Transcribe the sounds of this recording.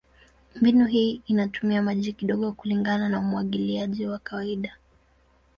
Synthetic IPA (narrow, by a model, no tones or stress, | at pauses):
mbinuɦiːinatumiamaʄikiɗɔɠɔkuliŋɡananaumuaɠiliaʄiwakawaiɗa